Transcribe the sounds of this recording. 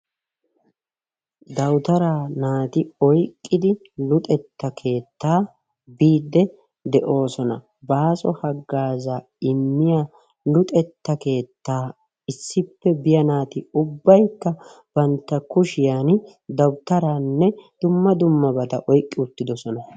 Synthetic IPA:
d̪ɐwt̪ɐɾaːnaːt̪ɪɔjkʼːɪd̪ɪ | lʊt̪ʼɛt̪ːɐkʰe̞ːt̪ːaː | biːd̪ːɛ | d̪ɛʔo̞ːsɔnɐ̰ | baːsɔhɐɡːaːza | ɪmːɪja | lʊt̪ʼɛt̪ːɐke̞ːt̪ːaː | ɪsːɪpːɛbɪjɐnaːt̪ɪʊbːɐjkːɐ | b̥ɐnt̪ːɐkʊʃɪjaːn | d̪ɐwt̪ɐɾaːnːɛd̪̥ʊmːɐd̪ʊmːɐbɐt̪ɐʔɔjkʼːɪʊt̪ːɪd̪ɔsɔnɐ

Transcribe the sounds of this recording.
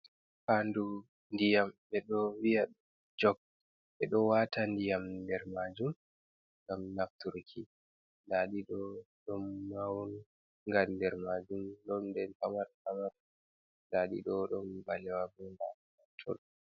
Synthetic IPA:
pandu | ndijamɓɛɗɔwija | d͡ʒɔɡ̚ | ɓɛɗɔwatandijamdɛɾmad͡ʒum | ŋɡamnaftuɾkʰi | daɗiɗɔ | ɗɔmːawn | ŋɡandɛɾmad͡ʒumɗɔndɛnhamaɾhamaɾ | daɗḭɗɔɗɔmbalɛwabɛnba | atʰɔ̰ɗɔ

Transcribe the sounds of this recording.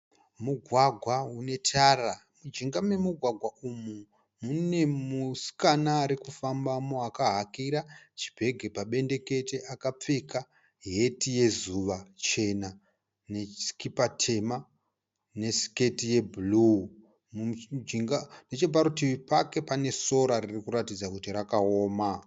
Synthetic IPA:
muɡʱwaɡʱwaune̞tʰaramud͡ʒiŋɡame̞muɡʱwaɡʱwaumu | mune̞musi̥kanaːɾikufambamoakaɦakiɾat͡ʃi̥bʱe̞ɡʱe̞paɓe̞nde̞ke̞te̞ʔakap͡fe̞ka | ɦe̞tije̞zuʋat͡ʃe̞na | ne̞i̥kipatʰe̞ma | ne̞si̥ke̞tije̞bʱulu | md͡ʒiŋɡane̞t͡ʃe̞p̬aɾutipake̞pane̞so̞ɾaririkuɾatid͡zakutirakao̞ːma

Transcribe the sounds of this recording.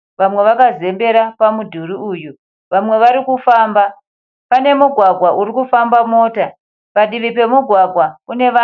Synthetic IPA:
ʋamwe̞ʋakaze̞mbe̞ɾapamudʱuɾiuju | ʋamwe̞ʋaɾikufaːmba | pane̞muɡʱwaɡʱwaʔuɾikufambamo̞ːta | paɗiʋip̬e̞muɡʱwaɡʱwakune̞ʋa

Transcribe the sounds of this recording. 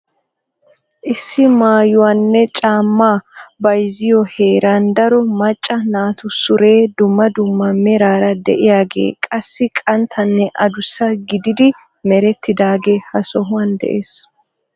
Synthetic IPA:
ʔɪsːɪmaːjʊwɐnːɛt͡ʃʼaːmːaːbɐjzɪjɔhe̞ːɾaːnd̪ɐɾɔmɐt͡ʃʼːɐnaːt̪ʊsʊɾe̞ːd̪ʊmːɐd̪ʊmːɐmɛɾaːɾɐd̪ɛ̰ʔɪjaːɡḛːkʼɐsːɪkʼɐnt̪ʰɐnːɛʔɐ̰d̪ʊsːɐɡɪd̪ɪd̪ɪ | mɛɾɛt̪ːɪd̪aːɡe̞ːhɐsɔɦʊwɐnd̪ɛ̰ʔḛːs

